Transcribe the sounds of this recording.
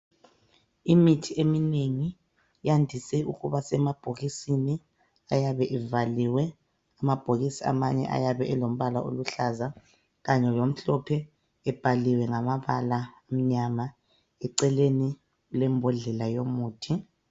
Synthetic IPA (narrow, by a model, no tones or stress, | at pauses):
imitʰiemineŋi | jandʱisɛuɣuβasɛmab̥ʱoɣisini | ajaβɛʔɛvaliwɛ | amab̥ʱoɣisia̰maɲɛ̰ʔa̰jaβɛɛlom̩βalaʔo̰luɬaza | ɣaɲɛlom̩ɬɔpʰɛː | b̥ʱaliwɛŋamaβalaam̩ɲama | ɛǀɛleni | ɣulɛmbʱɔɮɛlajomuːtʰi